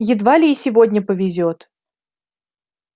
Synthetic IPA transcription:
jɪd̪valʲɪːsʲɪvodʲnʲəpəvʲɪzʲot̪

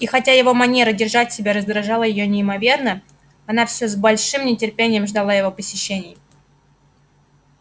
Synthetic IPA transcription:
ixɐtʲajɪvo̞mɐnʲe̞ɾədʲɪrʐatʲsʲɪbʲaɾəzɡ̪ɾɐʐɑlˠəjɪjo̞nʲɪɪmɐvʲe̞rnə | ɐnafsʲozbɐlʲʂɨmnʲɪtʲɪrpʲenʲɪjəmʐd̪ɐlˠajɪvo̞pəsʲɪɕːenʲɪj

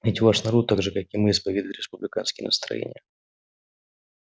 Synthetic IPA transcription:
vʲɪtʲvaʂnɐɾot̪ːaɡʐɨkakɪmɨɪspɐvʲed̪əɪt̪ɾʲɪspʊblʲɪkanskʲɪjə̰nəst̪ɾɐ̰jḛnʲɪ̰jə

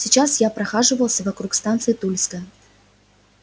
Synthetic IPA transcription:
sʲɪt͡ɕasjapɾɐxaʐɨvəlˠsʲəvɐkɾukst̪ant̪sɨɪt̪ulʲskə

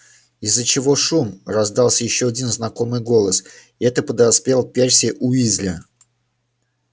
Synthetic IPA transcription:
ɪzːət͡ɕɪvo̞ʂumrɐzd̪ɑlˠsʲəjɪɕːoɐdʲinznɐko̞mɨjɡo̞lˠəsɪɛt̪əpəd̪ɐspʲe̞lˠpʲersʲɪəʔʊizʲlʲɪ

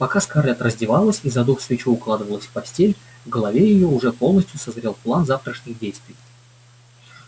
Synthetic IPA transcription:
pɐkaskarlʲat̪rəzʲdʲɪvalˠəsʲizɐd̪uxsvʲɪt͡ɕuʊklˠad̪ɨvəlˠəsʲfpɐsʲtʲelʲ | vɡəlˠɐvʲejɪjoʊʐɛpo̞lˠnəsʲt̪ʲjʊsɐzɾʲe̞lˠplˠanzaft̪ɾəʂnʲɨxdʲejst̪vʲɪj

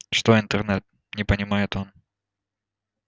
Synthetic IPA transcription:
ʂt̪oɪnt̪ərnɛt̪̚ | nʲɪpənʲɪmajɪt̪o̞n

